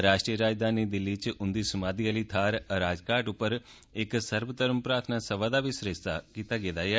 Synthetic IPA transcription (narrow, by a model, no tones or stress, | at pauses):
ɾaːʃʈɾijəɾaːd͡ʒd̪ʱaːnid̪ɪlːit͡ʃʔʊnd̪iːsɐmaːd̪iəlit̪ʰaːɾɾaːd͡ʒkaːɾʈʊpːəɾ | ɪksəɾʋət̪əɾəmpɾaːt̪ʰənasɐʋaːd̪aːbisɾest̪a̰kiːt̪aɡeːd̪aːjɛː